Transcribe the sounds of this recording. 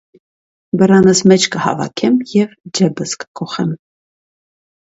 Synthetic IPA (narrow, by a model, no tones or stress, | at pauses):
bəɾɑnəsmɛt͡ʃʰkəhɑ̰vɑ̰kʰɛmjɛvd͡ʒɛbəskə̥kʰɔχɛm